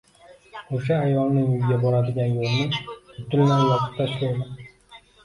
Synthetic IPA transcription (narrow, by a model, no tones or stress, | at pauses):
oʃaːjvɒnːɪŋʊjɡʲabɒɾad̪ɪɡʲanjolˠnɪʊt̪ːɪlmanɪjɒqʰʊ̥t̪t̪ʰːaʃʰɾajman